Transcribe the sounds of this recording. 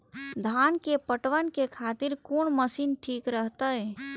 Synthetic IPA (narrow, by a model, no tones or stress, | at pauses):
d̪ʱaːnkepəʈʋənkekʰaːt̪ɪɾkoɳməsiːnʈʰiːkɾəɦt̪aɦɛ